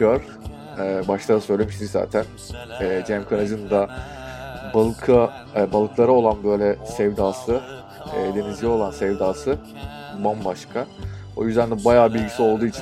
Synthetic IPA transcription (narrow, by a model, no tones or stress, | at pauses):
øɾ | ɛːbaʃt̪ˠad̪asø̞jlʲe̞miʃt̪ʰicza̰ːt̪ʰæn | ɛːd͡ʒɛmkʰanad͡ʒɯnd̪a | bakʰa | balˠɯklˠaɾao̞lˠanbø̞jlʲɛsɛvd̪aːsɯ | ɛːd̪e̞nizlʲɛo̞lˠansɛvd̪aːsɯ | bambaʃkʰa | ojyzd̪ænd̪ɛbajaːbilʲɟisio̞lˠd̪uːit͡ʃʰin